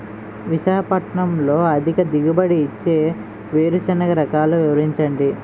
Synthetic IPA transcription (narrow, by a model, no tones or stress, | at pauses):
ʋiʃaːkɐpɐʈɐɳɐmlo̞ːɐd̪ʱikɐd̪iɡubɐɽiːt͡ʃːe̞ː | ʋeːɾut͡ʃɐnɐkɐɾɐkaːluʋiʋɐɾiɲt͡ʃɐɳɖi